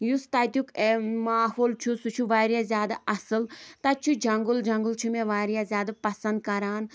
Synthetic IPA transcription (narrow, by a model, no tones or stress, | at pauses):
just̪ajt̪jukemaːhoːlt͡ʃʰusut͡ʃʰuʋaːɾjazʲjaːd̪aʔɐsɨlt̪ɐt͡ʃʰud͡ʒɐŋɡuld͡ʒɐŋɡɨlt͡ʃʰumeʋaːɾijazʲjaːd̪apɐsɐ̃nd̪̚kɐɾaːn